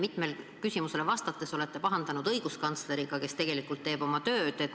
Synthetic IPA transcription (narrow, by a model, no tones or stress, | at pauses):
mit̪me̞l | kysʲimuse̞levɑst̪ɑt̪ːˑe̞so̞le̞t̪ːe̞pɑɦɑnd̪̥ɑnud̪ɤjɡ̥uskɑnt̪sle̞ɾiɡ̥ɑke̞st̪e̞ɡ̥e̞likːˑult̪ːe̞ːb̥o̞mɑt̪ø̞ːd̪̥et̪ː